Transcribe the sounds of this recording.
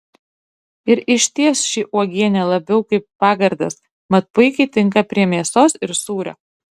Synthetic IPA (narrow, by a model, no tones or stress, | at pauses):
ɪɾɪʃʲt̪ʲiɛsʃʲiʔuɔɡʲiɛnʲɛlˠɐbʲɛʊkɐɪpːɑːɡɐɾd̪ɐ̰s | mɐt̪̚pʊɪkʲɛɪt̪ʲɪŋkɐpʲɾʲiɛmʲiɛsoːsɪɾsuːɾʲɛ̰